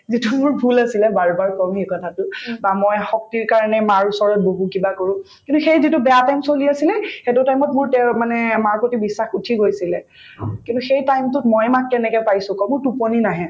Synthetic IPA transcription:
zitʊmʊɹbʱulasilɛbaɹbaɹkɔmikɔtʰatʊbamɔjxɔk̚tiɹkaɹanɛmaɹusɔɹɔt̚bobukibakoɹʊ̃ | kintuxejzitʊbɛatajmsoliasilɛxɛtʊtajmɔtmʊɹtɛmanɛmaɹkotibisːaxutʰiɡojsilɛ | kĩntʊxejtajmtʊtmɔjmak̚tɛnɛkɛpajsʊ̃kɔmʊɹtuponinaɦɛ̃

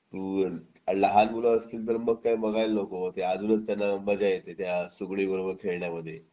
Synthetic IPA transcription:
t̪uː | ləɦanbuləəst̪iːlt̪̬əɾməɡ̚kajbəɡajlnokot̪ead͡zuːnət͡st̪janːaməd͡zajet̪et̪jasuɡɭiːbəɾobəɾkʰeɭɳjaməd̪ʱːje

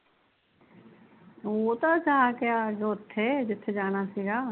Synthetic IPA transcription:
oːt̪aːt͡ʃaɦaːkɪjaːd͡ʒoːt̪ʰːeːd͡ʒɪt̪ʰːeːd͡ʒaːɽ̃aːsiːɡaː

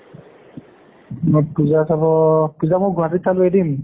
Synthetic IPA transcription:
mɔjpuzasabɔpuzamʊɡʱwatit̪ʰːalʊedim

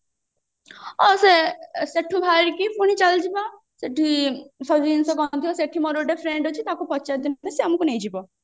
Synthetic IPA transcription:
ɔseseʈʰubʱaɾkipuɽ̃it͡ʃald͡ʒiba | seʈʰisɔd͡ʒinsɔɡɔnt̪iɔseʈʰːimɔɾoʈepʰɾeɳɖɦot͡ʃʰit̪akupɔt͡ʃad̪int̪aseamukunejd͡ʒibɔ

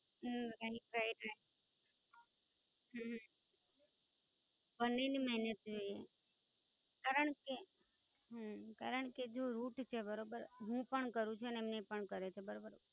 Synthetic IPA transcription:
ɾaipɾaiʈa | ɦɦ | bənːeniməɦnət̪̚d͡ʒoje | kaɾəɳke | ɦəkaɾəɳked͡ʒoɾuʈt͡ʃʰebəɾobəɾɦũpəɳkəɾũt͡ʃʰunemnepəɳkəɾet͡ʃʰebəɾobəɾ

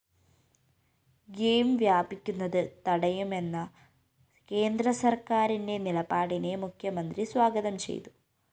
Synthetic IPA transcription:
ɡeːmʋjaːbikʲːunːɐðɨt̪ɐɽɐjume̞nːɐ | ke̞ːnd̪ɾɐsɐrkaːɾinde̞nilɐpaːɽine̞mukʰjɐmɐnd̪ɾisʋaːɡɐðɐmt͡ʃe̞̰j̰t̪u̥

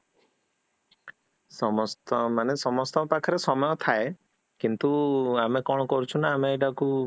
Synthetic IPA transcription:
sɔmɔst̪ɔmanesɔmɔst̪ɔpakʰɔɾesɔmɔjɔt̪ʰae | kint̪uamekɔɽ̃ɔkɔɾut͡ʃʰunaːmeeʈaku

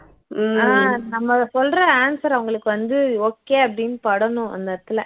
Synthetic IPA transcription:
aːnɐmːɐsɔlrɐaːnsɐɾɐʋɐŋɡɐɭɯkːɯʋɐnd̪ɯoːkːeːɐpːɐɽɪnɯpɐɽɐnʊ̃ʔɐ̰nd̪ɐɾt̪ːɯlɛ

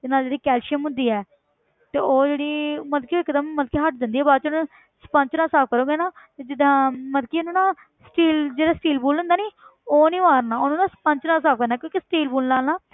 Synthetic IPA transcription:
t̪ɪnaːld͡ʒeːɽiːkɛːlʃəmʊ̃nd̪iːɛː | t̪eːoːd͡ʒeːɽiːməd̪kiːɪkːd̪əmːəd̪̚kiːɦəʈ̚d̪ɪnd̪iːɛːbaːɾt͡ʃːnũ | spə̃ɲt͡ʃnaːsaːp̚ʰkəɾõːɡeːnaː | t̪eːd͡ʒɪd̪ãːməd̪kiːʊnũːnãː | sʈiːld͡ʒeːɽaːsʈiːlbuːlʊ̃nd̪aːniːoːnĩːʋaːɾnãːʊnũːnãːspəɲt͡ʃnãːsaːp̚ʰkəɾnaːkjõːkisʈiːlbuːlnaːlnaː

